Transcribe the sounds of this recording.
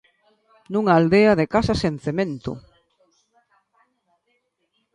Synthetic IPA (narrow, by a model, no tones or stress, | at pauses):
nũŋaːld̪eaðekasasenθemẽnt̪ʊ̰